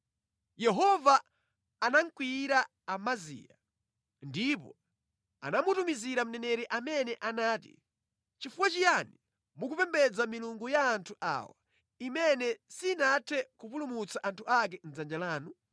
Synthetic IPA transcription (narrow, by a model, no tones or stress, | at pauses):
jɛɦɔvaː | naŋ̩kwiɾaː | mazḭːja | ndip̬ɔ̰ | a̰namutumiziɾam̩nɛnɛɾɛʔamɛnɛʔanaːtḭ | t͡ʃifuwat͡ʃijani | mukupɛmbɛd͡zamiluŋɡujaːntʰuʔa̰ːwa | imɛnɛsinatʰɛkupulumut͡saʔantʰuak̬ɛn̩d͡zand͡ʒalaːnu